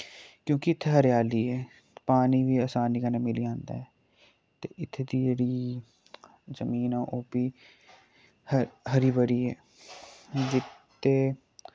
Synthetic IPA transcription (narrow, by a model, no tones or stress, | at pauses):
kjõːkɪɪt̪ʰːeɦəɾjaːliːɛː | paːniːʋiːəsaːniːkəneːmɪliːãːnd̪a̰ːɛː | t̪eːʔɪt̪ʰːed̪iːjeːɽiː | zəmiːnaːʔoːpiː | hɦəɾiːbəɽiːɛː | d͡ʒɪt̪ʰː | eː